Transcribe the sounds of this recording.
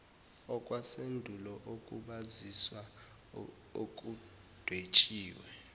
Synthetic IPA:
ɔkʼwasendʱulɔʔokʼuɓaziswa | ok̬ʼu | d̥ʱwet͡ʃʼiːwɛ

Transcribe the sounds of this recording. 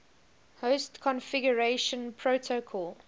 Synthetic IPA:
hostkʰɔ̃nfɪɡjəɹeʃə̃npʰɹotʰokʰɔl

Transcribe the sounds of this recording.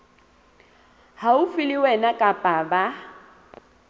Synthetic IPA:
haufiliwɛnakʼapʼaba

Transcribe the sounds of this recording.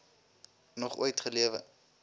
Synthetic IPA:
nɔχṵəjtχəliəvə̰

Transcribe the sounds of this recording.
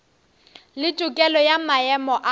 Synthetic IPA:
lɪtʼʊkʼɛlɔjamaɛmɔʔa

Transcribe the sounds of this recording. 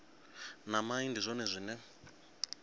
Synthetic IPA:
namaindizʷɔnɛzʷinɛ

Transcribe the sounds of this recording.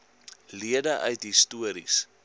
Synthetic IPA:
liədəʔœ̰ɥtɦistuəɾḭs

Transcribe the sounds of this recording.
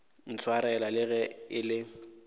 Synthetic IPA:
n̩t͡sʰwaɾɛɛlalɪɣɛɪlɪ

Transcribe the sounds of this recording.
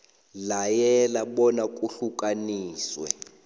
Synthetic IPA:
lajɛlaɓɔnakʼuɬukʼaniːswɛ̰

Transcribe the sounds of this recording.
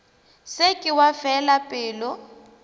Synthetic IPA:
sekʼɪwafɛlapʼɪːlɔ

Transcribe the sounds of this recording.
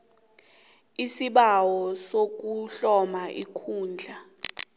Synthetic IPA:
isiɓawɔsok̬uɬɔmaʔḭkʰuːnd͡ɮʱa

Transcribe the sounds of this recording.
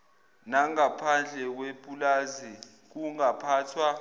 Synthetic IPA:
naŋapʰand͡ɮʱɛk̬wepʼulazi | k̬uŋapʰaːtʰwa

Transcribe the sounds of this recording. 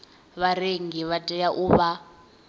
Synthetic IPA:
βaɾeŋɡiβatʼɛjaʔuβa

